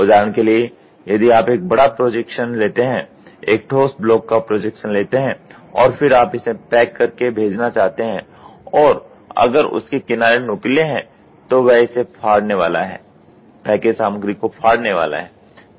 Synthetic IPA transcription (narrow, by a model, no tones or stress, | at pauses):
ʊd͡ʒaːɾənkelie | jɐd̪iaːpeːk̚bɐɽapɾoːd͡ʒɛkʃənleːt̪eɦɛ̃ | eːk̚ʈʰoːsʈ̚blɔːkːapɾoːd͡ʒɛkʃənleːt̪eɦɛ̃ | ɔːɾfɪɾaːpɪsẽpɛːkːɐɾkebʱeːd͡ʒnat͡ʃaːɦt̪eɦɛ̃ | ɔːɾ | ɐ̰ɡəɾʊ̰skekɪnaːɾenʊkleɦɛ̃ | t̪oʋɛɪsepʰaːɽneʋa̰ːla̰ɦɛ̰ː | pɛːkesaːməɡɾikopʰaːɽneʋa̰ːla̰ɦɛː